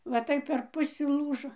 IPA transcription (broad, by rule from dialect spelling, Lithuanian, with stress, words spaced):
ʋɐ ˈtɐɪp pʲɛr ˈpʊsʲɪ ˈlˠuːʒoː